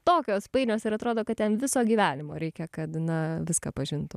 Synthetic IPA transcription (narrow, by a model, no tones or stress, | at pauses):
t̪oːkʲoːspɐɪnʲoːsɪɾɐt̪ɾoːd̪oːkɐt̚tʲɛnʋʲɪsoːɡʲiːʋʲæːnʲɪmo̰ːɾʲɛɪkʲɛkɐt̪nɐʋʲɪskɐ̰pɐʒʲɪnt̪ʊ